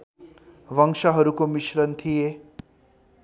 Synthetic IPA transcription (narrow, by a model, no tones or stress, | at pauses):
ʋəŋʂaɦəɾukomiɕɾənt̪ʰije